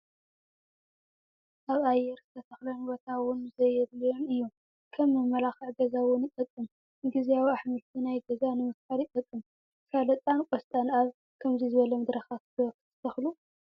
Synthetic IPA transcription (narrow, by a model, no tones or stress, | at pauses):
ʔaβajːɛɾzɨt̪ʰɐt̪ʰɐxlɐnbot̪ʰawʊnzɐjɛβlijo̞nɨjːu | kʰɐmːɨmːɐlaxɨʕɡɐzawʊnjɪt̪ʼɐkʼːɨm | ɨŋɡɨziawiaħmɨlt̪ʰinajɡɐzanɨmɨfkaljɪt̪ʼɐkʼːɨm | kʰaβlɐt̪ʼankʼɔst̪ʼanaβ | kʰɐmzizɨβɐlɐmɨd̪ɾɐxat̪̚ɨɐkɨt̪ʰɨ̥t̪ʰɐxlu